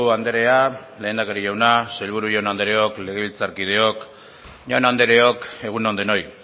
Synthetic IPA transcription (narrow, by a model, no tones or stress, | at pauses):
uand̪eɾe̞ale̞ːnakeɾiʝawnaselβ̞uɾuʝawnand̪eɾeo̞kle̞ɣeβilt͡saɾkið̞e̞o̞k | ʝawnand̪eɾe̞o̞ke̞ɣ̞unond̪eno̞j